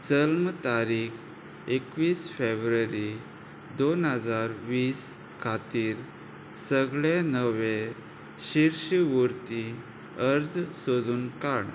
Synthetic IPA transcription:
t͡səlmət̪aɾik | ekʋiːsfebɾəɾi | d̪onɦəd͡zaɾʋiːs | kʰat̪iːɾ | səɡɭenəʋe | ɕiɾɕuɾt̪i | əɾd͡zsod̪uːnkaɽ

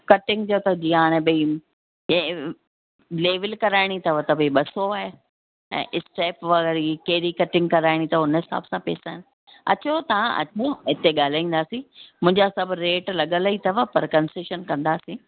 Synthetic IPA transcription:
kɐʈɪ̃ŋɡd͡ʑot̪ɐd͡ʑĩːaːɽ̃ẽɓɐĩ | leːʋəlkɐɾaːɪɽ̃it̪ɐʋət̪ɐbiɓɐsoaːɦe | ɛ̰̃ːʔɪsʈeːpʋɐɣɛɾikeːɾikɐʈɪ̃ŋɡkɐɾaːɪɽ̃it̪ɐʊnɦɪsa̰ːbsãpḛːsaːɦɪnɪ̆ | ɐ̰t͡ɕot̪ɐʋãʔɐ̰t͡ɕoɪt̪eɠaːl̤aːĩːn̆d̪aːsĩmʊ̃ɦɪ̃ɲd͡ʑasɐbʱɾeːʈlɐɠəlit̪ɐʋəpɐɾkɐnsɪʃənkɐ̃nd̪aːsĩː

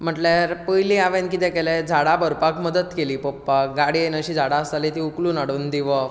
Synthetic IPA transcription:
m̤əʈleɾpəjlĩaʋenkit̪ɛ̃kɛlɛ̃d͡zʱaɽabəɾpakməd̪ət̪keliːpopːak̚ɡaɽienəɕid͡zʱaɽaəst̪alet̪iukluːnaɽuːnd̪iʋə

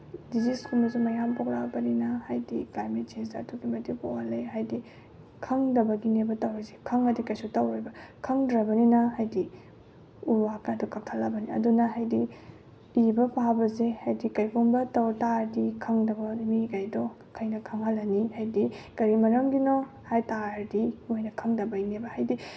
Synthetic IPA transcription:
diziskʰumɐsumɐjampok̚labɐninɐhajdiklajmet̚t͡ʃensɐ̰tuɡimɐtikoalejɦajdi | kʰɐŋdɐbɐɡinebɐtɐwɾɐzekʰɐŋɐdikɐjsutɐwɾabɐkʰɐŋdɾɐbɐninɐhajdi | uɾwakadukak̚tʰalːɐbɐniɐ̰dunɐɦajdi | ibɐpʰawbɐzehajdikɐjkʰuŋbɐtɐwtaɾdikʰɐŋdɐbɐmikɐjdɔ | kʰɐjnɐkʰɐŋɦɐlːɐnihajdikɐɾimɐɾɐmɡinɔ | hajtaɾdiojnɐkʰɐŋdɐbɐinebɐhajdi

